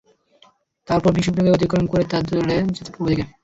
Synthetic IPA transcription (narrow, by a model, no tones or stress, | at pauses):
t̪aɾpɔɾbiʃobɾaɡeod̪ʱikːɾonkoɾet̪ad̪oɾed͡ʑet̪e̥pɾobod̪ike